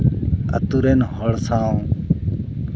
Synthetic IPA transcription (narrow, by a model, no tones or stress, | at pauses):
ə̰t̪uɾeːnɦoɭsaːõː